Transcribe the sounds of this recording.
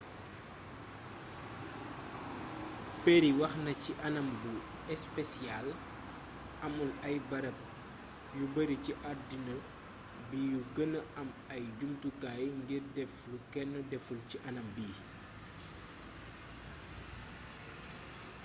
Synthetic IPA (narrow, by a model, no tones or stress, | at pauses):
peɾiwɐxnɐciʔɐnɐmbu | ɛspɛsjal | ɐmulɐjbɐɾɐp̚ | jubəɾiciʔardinə | bijuɡənəɐm | ɐjɟumtukaːjŋɡirdɛflukɛnːɐdɛfulciʔɐnɐmbiː